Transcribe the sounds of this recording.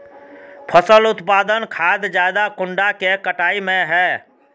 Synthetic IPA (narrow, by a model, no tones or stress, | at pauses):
pʰəsəlʊt̪paːd̪ənkʰad̪d͡ʒjad̪akʊɳɖakekəʈaːimẽɦɛː